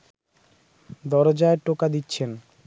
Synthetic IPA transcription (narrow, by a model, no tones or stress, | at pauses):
d̪ɔɾod͡ʑaeʈokad̪itːɕʰen